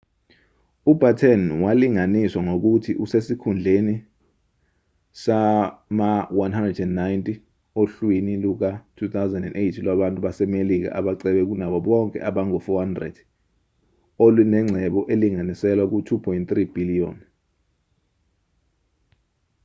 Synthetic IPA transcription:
ubʱatʰɛnwaliŋaniswaŋok̬utʰiʔusesikʰund͡ɮʱeni | samawanɦandrɛdɛndnajntʼi | oɬwiniluk̬atʰuθawzɛndɛndejtʰilaɓantʼuɓasɛmelik̬a̰ʔaɓaǀɛɓɛk̬unaɓɔɓɔŋkʼɛ̰ʔaɓaŋɔfɔhandrɛ̰d̥ | olinɛŋ͡ǀʱɛɓɔʔeliŋanisɛlwak̬utʰupʰɔjnt̪rib̥iliɔ̰n

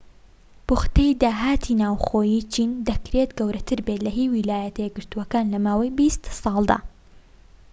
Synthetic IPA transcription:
b̥ʊxt̪ɛjd̪aːɦaːt̪ʰinaːwxoːjiːt͡ʃiːnd̪ɐkɾet̪ɡɐwɾɐt̪ʰɨɾbelɐɦiwilaːjɐt̪ɐjɛɡɨɾt̪uwɐkaːnlɐmaːwɐjbist̪sɑlˠd̪a̰ː

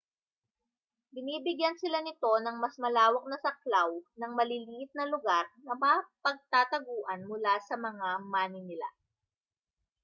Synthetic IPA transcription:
bɪniːbɪɡjansɪlanɪt̪o̞nɐŋmɐsmɐlaːwɐk̚nɐsɐk̚lawnɐŋmɐliliːʔɪt̪̚nɐlʊɡaɾnɐmapɐɡ̚t̪aːt̪ɐɡuːʔɐnmʊlasɐmɐŋamaːnɪnɪla̰

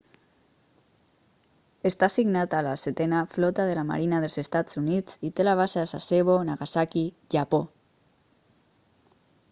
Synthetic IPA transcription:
est̪asiɡnat̪alaset̪ɛnaflɔt̪aðelama̰ɾinaðelˠzest̪ad͡zunid͡zit̪elaβ̞asasa̰seβonaɣasaki | ʒapo

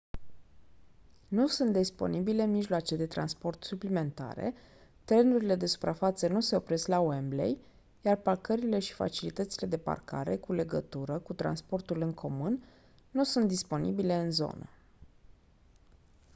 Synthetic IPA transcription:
nusunt̪̚d̪ispo̞̰nibile̞miʒloat͡ʃed̪e̞t̪ɾanspo̞rt̪suplime̞nt̪a̰ɾe̞̰ | t̪ɾe̞nuɾile̞d̪e̞su̥pɾafat̪sənuse̞o̞pɾe̞sklaoemblḛj | jarparkəɾile̞ʃi̥fa̰t͡ʃilit̪ət̪sile̞d̪e̞pa̰rka̰ɾe̞kule̞ɡət̪uɾəkut̪ɾa̰nspo̞rt̪ulɨŋkʰo̞munː | usunt̪d̪ispo̞nibile̞ɨnzo̞̰nə̰

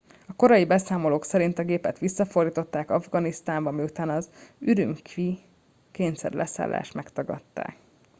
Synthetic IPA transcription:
ɒko̞ɾɒjibɛsaːmo̞loːksɛɾint̪ɒɡeːpɛt̪ʋisːɒfo̞rd̪iːt̪o̞t̪ːaːkɒvɡɒnist̪aːmbɒmiut̪aːnɒzyɾymkʋi | keːnsɛ̰rlʔɛsa̰ːlːa̰ːʃt̪mɛkt̪ɒɡɒ̰t̪ːa̰ːk

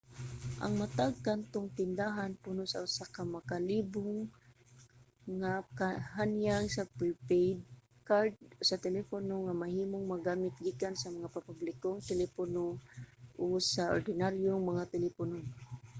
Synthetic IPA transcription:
ʔa̰ŋmat̪aɡ̚kant̪oŋt̪ɪnd̪aɦanpʊnosa̰ʊsakamɐkaliːbʊŋ | akaɦanjaŋsapipejd̪̚ | kaɾd̪̚sɐt̪ɛlɛponoŋamɐhiːmoŋmɐɡaːmɪt̪̚ɡikansɐmɐŋapapablɪkoŋt̪ɛlɛponoʔosaʔo̰ɾd̪ɪnaɾjoŋmɐŋat̪ɛlɛpʊno

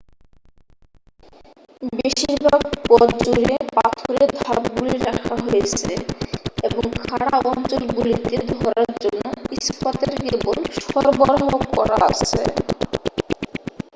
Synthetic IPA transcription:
beʃiɾbʱaɡ̚pɔdd͡ʑuɾepat̪ʰoɾed̪ʱabɡuliɾakʰaɦojet͡ɕʰeeboŋkʰaɽaɔnt͡ɕolɡulit̪ed̪ʱɔɾaɾd͡ʑonːoiskat̪eɾkebolʃɔɾbɔɾɦokːɔɾa̰a̰t͡ɕʰḛ

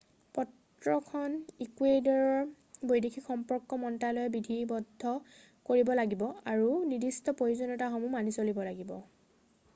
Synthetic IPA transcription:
pɔt | ɹɔkʰɔnikwedɔɹɔɹ | bojdekʰikxɔmpɔɹkːɔmɔntalɔjɛbidʱibɔdʱːɔ | koɹibɔlaɡibɔaɹunidistɔpojuzɔnɔtaxɔmumanisolibɔlaɡibɔ

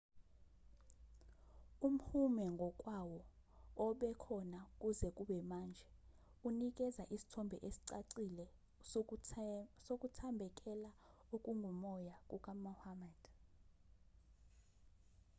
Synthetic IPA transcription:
um̩humɛŋɡʱɔkʼwawɔɔɓɛkʰɔnakʼuzɛkʼuɓɛmaːnd͡ʒʱɛ | unik̬ʼɛzaʔisi̥tʰɔmbʱɛ̰ʔesi̥ǀaǀilɛ | sokʼutʰambʱɛkʼɛla | okʼuŋɡʱumɔjakʼukʼamuhamad̥

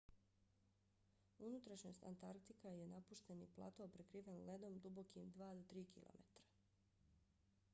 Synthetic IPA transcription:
unut̪ɾaʃɲo̞st̪ʲa̰nt̪aɾk̚t̪ikajenapuʃt̪e̞niplˠa̰ːt̪oːpɾekɾiːʋanle̞d̪o̞md̪ubo̞kimd̪ʋaːd̪ot̪ɾiːkḭlˠo̰mḛt̪ɾḁ

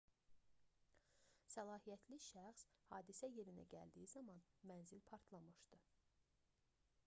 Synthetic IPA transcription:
sælˠɑːhijæt̪ʰliʃæxshɑːd̪isæje̞ɾinæ̰ɟæ̰ld̪ijizɑmɑnmænzilpʰɑɾt̪ʰlˠɑmɯʃd̪̥ɯ

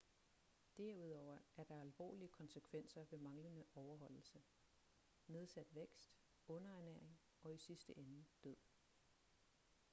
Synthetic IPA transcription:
d̥æɐ̰uð̞̰ˠɒʊ̰ɐʔæɐd̥ɑ̈ælʋɒ̰ːliəkʰɒ̽nsəkʰʋen̰sɐʋe̝mɑ̈ŋlənəʔɒʊɐɦɒ̽l̰l̩sə | me̝ð̞ˠsæd̥ʋeɡ̥sd̥ | ɔ̽nɐæneɐ̰eŋ | ɒ̽isisd̥əʔenəd̥øð̰ˠ

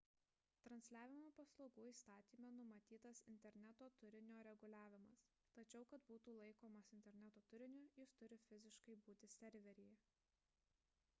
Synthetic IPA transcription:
t̪ɾɐnʲsʲlʲæːʋʲɪmoːpɐslˠoːɡuːiːst̪ɑːt̪ʲiːmʲɛnʊmɐt̪ʲiːt̪ɐsɪnʲt̪ʲɛɾʲnʲæt̪oːt̪ʊɾʲɪnʲoːɾʲɛɡʊlʲæːʋʲɪmɐs | t̪ɐt͡ʃʲɛʊkɐt̪buːt̪uːlˠɐɪkoːmɐsɪnʲt̪ʲɛɾʲnʲæt̪oːt̪ʊɾʲɪnʲʊjɪst̪ʊɾʲɪfʲɪzʲɪʃkɐɪbuːt̪ʲɪsʲɛɾʲʋʲɛɾʲɪj

